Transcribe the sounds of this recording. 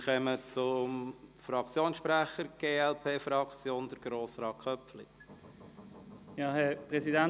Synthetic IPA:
χɛmət͡sʊmfɾɑkt͡sjoːnsʃpɾæχəɾɡ̥eːɛlpʰeːfɾɑkt͡sjoːnd̥̪əɾɡ̥ɾoːsɾɑːkʰχœpflḭ | jɑːhɛpʁɛsidæn

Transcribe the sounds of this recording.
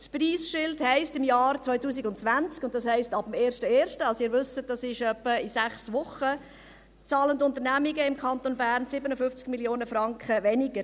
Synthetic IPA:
spriːsʃɪlthɛɪstɪmjɑːrt͡sʋœʏtuːsiɡʊntt͡sʋænt͡skʊnt̚dɑshɛɪstɑb̥m̩eːɾʃtəeːɾʃtəɑlsɪːɾʋʏsət̚d̥ɑsɪʃœpːəɪsæχsʋʊχə | t͡sɑːləndʊntəɾnæmiɡəɪmkʰɑnt̪onbæːɾnsɪbənəfʏft͡skmiljoːnəfɾɑŋkχəvɛnɪɡ̥əɾ

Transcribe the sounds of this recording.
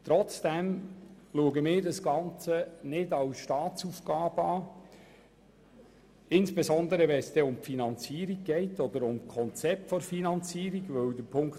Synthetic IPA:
t̪ɾɔt͡sd̥ɛmluəɡəmɪːɾdɑsɡ̥ɑnt͡sənɪdɑwsʃtɑːt͡sufɡ̥ɑːb̥əɑː | ɪnsb̥ɛsɔnd̪əɾəʋɛnsd̥ɛʊmfinɑnt͡siːəɾiɡ̚ɡ̥ɛɪtɔd̪əɾʊmkʰɔnt͡sɛp̚tfɔɾfinɑnt͡siːɾiɡʋɵwd̪əpʰʊŋk

